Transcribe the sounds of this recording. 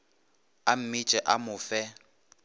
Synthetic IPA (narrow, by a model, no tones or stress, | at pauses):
am̩mɪt͡ʃʼɛʔamʊfɛ